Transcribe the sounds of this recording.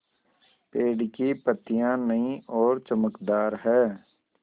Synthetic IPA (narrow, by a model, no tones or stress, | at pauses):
peːɖkipət̪ijãnəĩʔɔːɾt͡ʃəməkd̪aːɾɦɛː